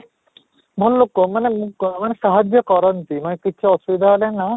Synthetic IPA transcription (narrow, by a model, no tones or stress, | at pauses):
bʱɔllokːomanemukmaneʃaɦad͡ʑokɔɾont̪imanekitːʰeɔsubid̪ʱaɦɔlenːa